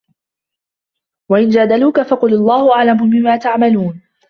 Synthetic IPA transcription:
waʔɪnd͡ʒaːd̪aluːkafɑqʊlɑlˤːɑːhʊʔaʕlamʊmɪmːaːt̪aʕmaluːn

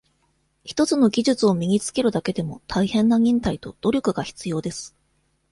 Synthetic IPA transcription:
çi̥t̪o̞t͡sɨno̞ɡʲiʑɨt͡sɨo̞mʲiɲ̟ʲit͡sɨ̥ke̞ɾɯ̟d̪ake̞d̪e̞mo̞t̪ʰaihẽ̞nːaɲ̟ʲĩnt̪ait̪o̞d̪̥o̞ɾʲo̞kɯ̟ɡaçi̥t͡sɨjo̞ːd̪e̞sɨ̥

